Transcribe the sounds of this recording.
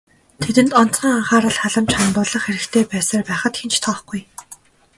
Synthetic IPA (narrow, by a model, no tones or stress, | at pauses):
t̪ʰet̪ɘ̆nt̪ɔn̥t͡sə̆ŋaɴχaːɾə̆ɮχaɮə̆mt͡ɕχamt̪ʊːɮɞ̆χxeɾɘ̆kt̪ʰeːpæːsaːrpæːχə̆t̪xent͡ɕt̪ʰɔːχɡ̥uj